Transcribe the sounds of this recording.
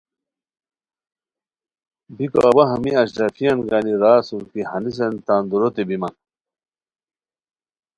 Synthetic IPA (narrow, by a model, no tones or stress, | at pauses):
biko̰ʔɐbɐɦɐmiɐɕɾɐfijɐnɡaniɾaːsuɾkihɐnis̬ent̪and̪uɾot̪ebimɐn